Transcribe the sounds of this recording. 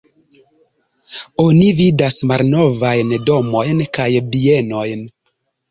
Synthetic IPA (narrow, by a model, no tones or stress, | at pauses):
onividasmalno̞vajndo̞mo̞jnkajbieno̞jn